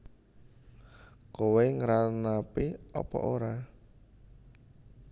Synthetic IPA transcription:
koweŋəɾanapiɔ̰pɔ̰ʔoɾa

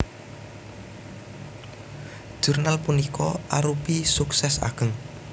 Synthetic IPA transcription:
ʒ̥ṳrnalpunikʰɔʔaɾupisuksɛsa̰ɡ̥ə̤ŋ

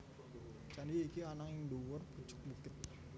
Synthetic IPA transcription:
t͡ʃandiːkianaŋiŋduwərb̥ə̥t͡ʃʊ̥k̚buk̪ɪt̪̚

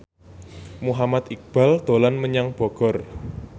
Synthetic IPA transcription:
muɦamat̪ik̚b̥a̤ld̪̥o̤lanməɲaŋb̥ɔ̤ɡ̥ɔ̤r

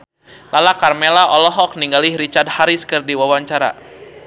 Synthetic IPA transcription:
lalakarmelaʔɔlɔɦɔk̚niŋɡalihɾit͡ʃard̚haɾiskərdiwawaɲt͡ʃaɾa̰

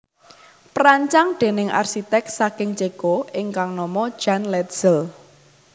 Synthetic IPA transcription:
pɾaɲt͡ʃaŋɖ̪̥e̤nɪŋʔa̰rʃit̪ɛk̚sakɪŋt͡ʃeɡ̥oɪŋkaŋnɔmɔ̥ʒ̥anlɛt̪z̥əl

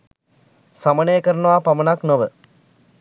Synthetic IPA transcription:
samənejəkəɾənəʋaːpamənaknoʋə

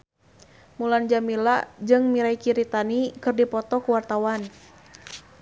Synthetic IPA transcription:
muland͡ʒamilad͡ʒɨŋmiɾaikiɾit̪anikɨrdipɔt̪ɔkuwart̪awan

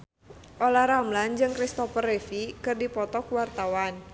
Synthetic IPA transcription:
ʔolahɾamland͡ʒɨŋkɾist̪ɔfərefikɨrdipɔt̪ɔkwart̪awan

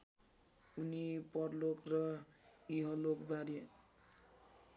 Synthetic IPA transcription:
unipʌrlokrʌiɦʌlokbaɾe

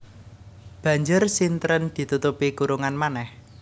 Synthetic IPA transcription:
b̥ä̤ɲd͡ʒʊrsint̪ɾənd̪̥i̤t̪ut̪upiɡuɾuŋanmanɛh

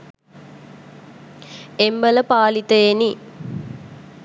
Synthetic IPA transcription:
embələpaːlit̪əjeni

